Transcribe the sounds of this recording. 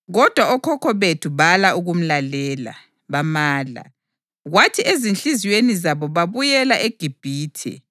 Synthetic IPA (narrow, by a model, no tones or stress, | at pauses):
ɣɔd̥ʱwaɔkʰɔkʰɔβetʰuβalaʔuɣum̩lalɛːla̰ | βamaːla̰ | ɣwatʰiezinɬiziwenizaβɔβaβujɛlaʔeɡ̥ʱib̥ʱiːtʰɛ̰